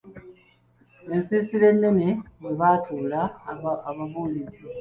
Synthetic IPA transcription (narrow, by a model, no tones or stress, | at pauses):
e̞nsiːsile̞nːe̞nemeβaːtʰuːla | βaβuːlisi